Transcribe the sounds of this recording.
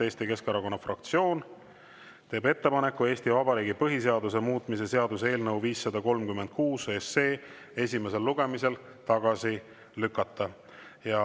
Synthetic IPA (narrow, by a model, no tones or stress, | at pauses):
e̞ːst̪ike̞skɑɾɑko̞nːɑfrɑk̚t̪sio̞ːn | t̪e̞ːbe̞t̪ːe̞pɑne̞kːue̞ːst̪ivɑbɑɾiːɡipɤɦise̞ɑd̪us̬e̞muːt̪ˑmise̞se̞ɑd̪̥use̞ːlnɤwviːsːɑd̪̥ɑko̞lmkymːend̪̚kuːsøesːe̞ː | e̞s̬ʲime̞s̬e̞lːuɡ̥e̞mise̞l | t̪ɑɡ̥ɑsi | lykːˑɑt̪ːˑɑ | jɑ